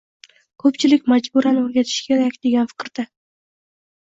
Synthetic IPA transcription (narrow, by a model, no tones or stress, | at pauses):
kʰɵpt͡ʃʰɪlɪkʲmad͡ʒbuɾanɵɾɡʲat̪ʰɪ̥ʃkʲʰeɾakʲd̪e̞ɡʲanfɪ̥kʲɾd̪̥a